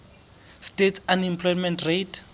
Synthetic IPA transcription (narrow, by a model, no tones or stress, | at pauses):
stetsanimpʰlɔjmɛ̃ntretʰ